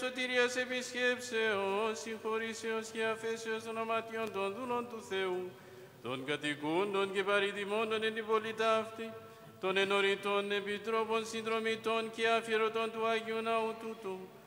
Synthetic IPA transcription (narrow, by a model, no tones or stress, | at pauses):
sot̪iɾiɔsebiskepseosixoɾiseosiafesosonamat̪iond̪ond̪ulont̪uθeũ | t̪o̰nkɐt̪ikond̪onkebaɾid̪imond̪onenibolid̪aːft̪i | t̪onenoɾĩt̪onːebid̪ɾobɔnsĩnd̪ɾomit̪onkiafiɾot̪ont̪uaɡiũnaũt̪ut̪o